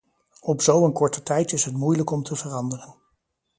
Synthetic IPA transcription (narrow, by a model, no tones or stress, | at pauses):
ɔpzowənkɔɹtətɛjtɪsɦətmujləkɔmtʰəvərɑndərən